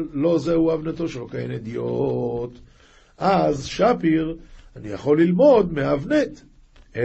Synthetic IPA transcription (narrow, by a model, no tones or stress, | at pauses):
lo̞zeuavnet̪o̞ʃelo̞kajḛned̪ijot̪ | ʔazʃapiʁanijaχo̞lːilmo̞d̪meavnet̪ | e